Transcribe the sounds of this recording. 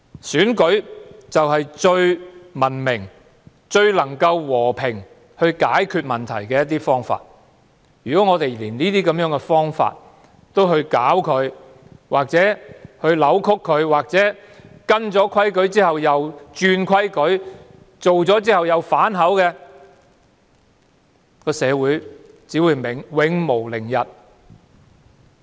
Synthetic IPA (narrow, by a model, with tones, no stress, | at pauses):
syː˨˥nkɵ˨˥ɥt͡sɐ˨wɦɐ˨jt͡ʃɵ˧ɥmɐ˨˩nmɪ˨˩ŋ | t͡ʃɵ˧ɥlɐ˨˩ŋkɐ˧wwɔː˨˩pʰɪ˨˩ŋ | hɵ˧ɥkaː˨˥jkʰyː˧t̚mɐ˨˩nt̪ʰɐ̰˨˩jkɛː˧jɐ˥t̪ːiː˥fɔː˥ŋfa̰ː˧t̚ | jyː˨˩kɔ˨˥ŋɔː˨˧t̪e˨jliː˨˩nniː˥t̪̬iː˥kɐ˨˧mjœː˨˥ŋkɛ˧fɔː˥ŋfa̰ː˧t̚ | t̪o˥wɦɵ˧ɥkaː˨˥wkʰɵ˨˧ɥ | waː˨k̚t͡sɛː˨˥hɵ˧ɥlɐ˨˥wkʰʊ˥kʰːɵ˨˧ɥwaː˨k̚t͡sɛː˨˥kɐ˥nt͡sɔː˨˥kʰɐ˥jkɵ˨˥ɥt͡siː˥hɐ˨wjɐ˨˧wt͡ʃyː˧nkʰɐ˥jkɵ˨˥ɥ | t͡so˨wt͡sɔː˨˥t͡siː˥hɐ˨wjɐ˨˧wfaː˨˥nɦɐ˨˥wkɛː˧ | kɔː˧sɛː˨˧wuː˨˥j | t͡siː˨˥wuː˨˧jmɪ˨˩ŋwɪ˨˧ŋmo˨˩wlɪ˨˩ŋjɐ˨t̚